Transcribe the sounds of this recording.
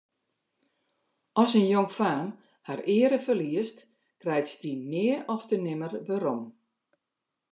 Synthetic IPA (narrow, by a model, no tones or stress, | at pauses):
ʔɔsənjoŋfaːm | harɪəɾəfərliəst | krɛjtsdimɪəɔftənɪmərbəɾom